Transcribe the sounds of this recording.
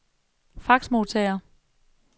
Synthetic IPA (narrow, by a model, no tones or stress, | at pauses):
fɑ̈ɡ̥smo̝t͡sʰɛɪɐ